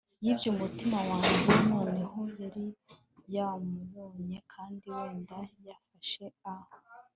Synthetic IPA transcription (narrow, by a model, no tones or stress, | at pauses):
jibɟumutimawaːɲɟenoːneɦo̞jaɾi | jamuβoːɲe̞kʰaːndiweːndajafaʃe̞aho